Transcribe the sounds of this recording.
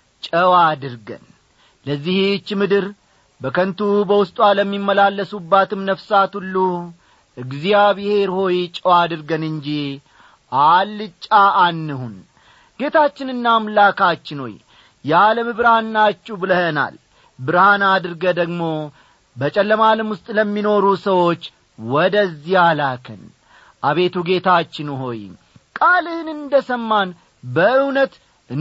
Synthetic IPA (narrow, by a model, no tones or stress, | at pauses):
t͡ʃʼəwad̪ɨɾɡə̰n | ləzːiht͡ʃːmɨd̪ɨɾ | bəkʰənt̪ʰubəwʊst̪ʼwaləmːimːəlalːəsubːat̪ʰɨmnəfsat̪hulːu | ʔɨɡzijaβɨhe̞ɾho̞jt͡ʃʼəwad̪ɨɾɡənɨɲd͡ʒi | ʔalːɨt͡ʃʼːaːnːɨhun | ɡ̥e̞t̪ʰat͡ʃːɪnɨnːaːmlakat͡ʃːɪnho̞̰j | jɛaləmɨbɨɾhanːat͡ʃʼːubɨləhəna̰l | bɨɾhanad̪ɨɾɡəd̪əɡmo̞ | bət͡ʃʼɛlːəmaləmwʊst̪ʼləmːino̞ɾusəwo̞t͡ʃː | wɔd̪əzːihalakʰɨn | ʔaβe̞t̪uɡe̞t̪ʰat͡ʃːɪnɦo̞j | kʼalɨhɨnɨnd̪əsəmːan | bəɨwnət̪ | ɨ